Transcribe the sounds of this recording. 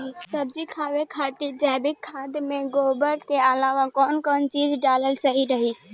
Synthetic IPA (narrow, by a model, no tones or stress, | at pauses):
səb̚d͡ʒikʰaʋekʰat̪iɾd͡ʒabikʰːad̪meɡobəɾkeəlaʋakɔnkɔnt͡ʃid͡ʒɖaləlsəɦiɾəɦi